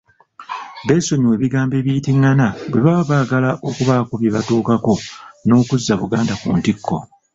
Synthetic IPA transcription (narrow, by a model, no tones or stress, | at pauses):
be̞ːso̞ɲiwe̞ːβiɡaːmbe̞ːβijtiŋːanabweβaβaːɡalaʔo̞kuβakuβjeβatuːkako̞no̞ːkuzːaβuɡaːndakṵːntikːo̞̰